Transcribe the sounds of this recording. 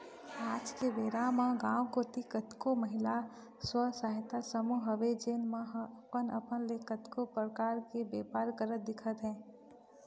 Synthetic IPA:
aːd͡ʒkebeːɾamãɡãːw̃kot̪ikət̪koməɦɪla | swəsaːɦɪt̪asəmuɦəʋed͡ʒeːnmãɦpənə̰pənlekət̪kopɾəkaːɾkebeːpaːɾkəɾət̪̚d̪ɪkʰət̪ɦɛ̃ː

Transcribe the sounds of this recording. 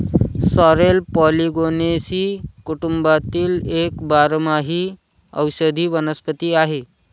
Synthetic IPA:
sɔɾelpɔliɡonesiːkuʈumbat̪iːlekbaɾmaɦiː | ə̰wɕəd̪ʱiːʋənəspət̪iːaɦe

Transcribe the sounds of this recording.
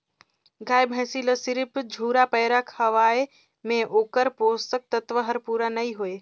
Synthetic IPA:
ɡʱaːebʱə̃ːsiːləsɪɾɪpd͡ʒʱuːɾapəːɾakʰəʋaːe | mẽʔoːkəɾpoːst̪ək̚t̪ət̪ʋəɦəɾpuːɾanɐiɦoe

